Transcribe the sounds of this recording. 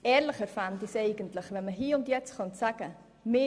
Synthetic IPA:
ʔɛːɾləχɛɾfantɪseɪɡ̥əntləχvɛnməɦiːʊntjɛt͡sχɑnsaɡ̥ə | mɪ

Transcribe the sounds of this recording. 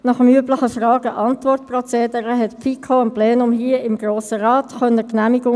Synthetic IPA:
nɑχəmyəbləχəfrɑːɡ̥əʔɑntvʋɔrtprɔt͡seːd̪əɾəɦɛtpfikʰoəmplɛːnʊmɦiəɪmɡ̥ɾoːsəɾɑːtχœnəknæmiɡʊ

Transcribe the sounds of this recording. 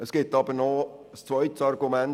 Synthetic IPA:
əsɡ̥ɪtɑbəɾnɔ | st͡svœʏtsɑɾɡumɛn

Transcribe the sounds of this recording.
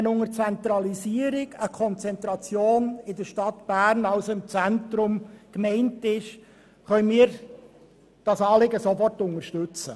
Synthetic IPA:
ənʊŋəɾt͡sɛnt̪ɾɑliziːəɾɪɡəkʰɔnt͡sɛnt̪ɾɑt͡sjoːnɪdəɾʃtɑtb̥æːɾnɑlsoɪmt͡sɛntɾʊmkmɛɪntɪʃ | χœʏmiːəɾ | d̥ɑsɑːlɪɡəsofɔrtʊŋəʃtʉt͡sə̰

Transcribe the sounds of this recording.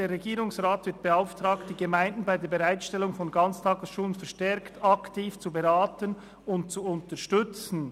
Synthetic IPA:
deːɾʁːeɡiːɾʊŋsʁaːtv̥ɪɐt̚b̥eaʊftʁ̥aːkt̚d̥iːɡəmaɪndn̩baɪdeːɐbeʁaɪtʃtɛlʊŋfɔnɡɑnt͡stʰaːɡəsʃuːlənfɛɐʁʃtɛɾktɑktʰiːft͡subeʁaːtən | ʊntt͡suʊntəʃtʏt͡sn̩

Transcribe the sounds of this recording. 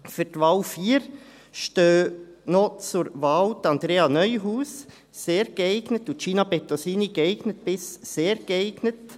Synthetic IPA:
fyɾtʋɑːlfiːəɾ | ʃtøːnɔt͡sʊɾʋɑːltɑnd̪ɾeːɑnœʏɦuːs | seːɾɡ̥əɛɪɡnətutʃiːnɑbɛtosiːniɡɛɪɡ̥nət̚b̥ɪsseːɾɡ̥əɛɪɡ̥nət

